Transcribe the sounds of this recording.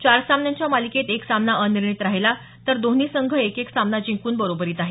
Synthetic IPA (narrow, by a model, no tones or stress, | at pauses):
t͡ɕaɾsamnjaɲt͡ɕjamaliket̪eksamnaʔəniɾɳit̪ɾaɦela | t̪əɾd̪oniːsəŋɡʱəekeksamnad͡ʑĩŋkuːnbəɾobəɾiːt̪aɦe